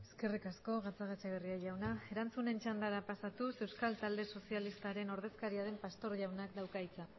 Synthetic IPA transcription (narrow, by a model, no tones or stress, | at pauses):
e̞ske̞rikasko̞ɣat͡saɣat͡ʃaɣeriaʝawnae̞ɾant͡sune̞nt͡ʃand̪aɾapasat̪use̞wskalt̪ald̪e̞so̞sialist̪aɾe̞no̞ɾð̞e̞skaɾiaðe̞mpast̪o̞ɾʝawnakd̪awkajt͡sa